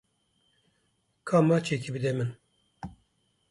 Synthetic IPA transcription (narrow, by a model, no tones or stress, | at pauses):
kʰaːmːat͡ʃʰekʲibɨd̪ɛmɨn